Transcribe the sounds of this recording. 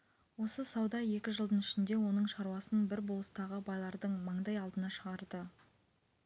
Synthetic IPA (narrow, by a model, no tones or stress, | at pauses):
wo̞səsɑwd̪ɑje̞kʲɪʒəlˠd̪ənɪʃɪnd̪e̞wo̞nəɴʃɑɾwɑsənbɪɾbolˠəst̪ɑʁəbɑjlˠɑɾd̪əɴmɑɴd̪ɑjɑlˠd̪ənɑʃəʁɑɾd̪ə